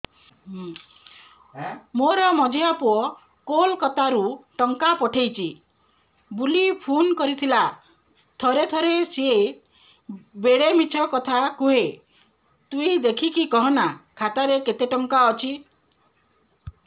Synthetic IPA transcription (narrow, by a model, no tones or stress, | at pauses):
moɾɔmɔd͡ʒʱeapuɔ | kolkɔt̪aɾuʈɔŋkapɔʈʰejt͡ʃʰi | bulipʰunkɔɾit̪ʰila | t̪ʰɔɾet̪ʰɔɾesie | beɽemit͡ʃʰɔkɔt̪ʰakuɦe | t̪uid̪ekʰikikɔɦɔnakʰat̪aɾeket̪eʈɔŋkaɔt͡ʃʰi